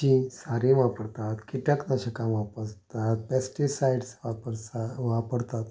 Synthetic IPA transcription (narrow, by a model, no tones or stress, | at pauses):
t͡ɕĩsaɾĩʋapəɽt̪at̪kiʈaknaɕekamʋapəɾt̪at̪̚pɛsʈisajɖsʋapəɾaʋapəɽt̪at̪